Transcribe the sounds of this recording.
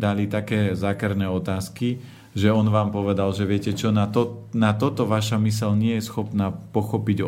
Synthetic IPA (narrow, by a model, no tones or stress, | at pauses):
d̪alit̪akɛːzakɛɾnɛɔt̪aːski | ʒɛɔnʋaːmpɔʋɛd̪alʒɛʋɪɛcɛt͡ʃɔnat̪ɔnat̪ɔt̪ɔʋaʃamisɛʎɲɪɛjɛsxɔpnaːpɔxɔpiɟ